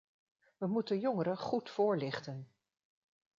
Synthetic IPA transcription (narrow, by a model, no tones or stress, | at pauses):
ʋəmutənjɔŋəɾəχutfʊːɹlɪχtən